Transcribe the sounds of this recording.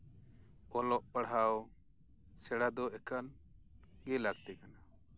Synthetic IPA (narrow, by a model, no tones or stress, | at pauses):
ɔlɔʔpəɽɦaw | sɛɽad̪ɔɛkan | ɡɛlaɡ̚t̪ɛkana